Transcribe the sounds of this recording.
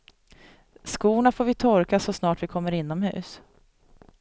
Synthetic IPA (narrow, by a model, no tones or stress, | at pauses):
skuːɳafoːɾvɪt̪ʰɔɾkasɔsnɑːʈvɪkʰɔmːəɾɪnːɔmhʉ̟̰ːs